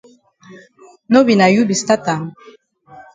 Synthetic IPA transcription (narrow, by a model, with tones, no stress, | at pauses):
no˦bi˨na˨ju˦bi˨sta˦ta˨n